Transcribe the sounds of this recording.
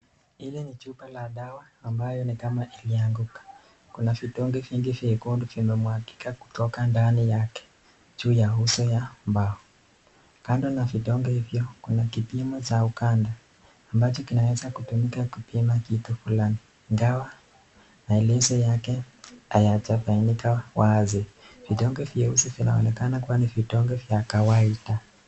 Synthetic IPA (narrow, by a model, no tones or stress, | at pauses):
ilɛnit͡ʃupalaɗawaːmbajɔnikamaʔiliaŋɡukḁ | kunaviɗɔŋɡɛviŋɡivɛkunduvimɛmuhaki̥kaku̥tɔkandanijakɛ̥ | d͡ʒuːjaɦusɔjambaɔ | kandɔnavitɔŋɡɛhivjɔkunakipimɔt͡ʃaukandaː | mbat͡ʃɔkinawɛzakutumikakipimakitufulaniːŋɡawa | maɛlɛzɔjakɛ | ajat͡ʃafainikawaziv̥iɗɔŋɡɛvjahusɔvinaɔ̰nɛkanakuwaniviɗɔŋɡɛvjakawaida